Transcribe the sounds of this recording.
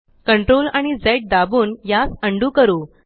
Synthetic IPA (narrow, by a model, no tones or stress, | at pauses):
kəɳʈɾolaɽ̃id͡zeʈ̚d̪abuːnjasəɳɖuːkəɾuː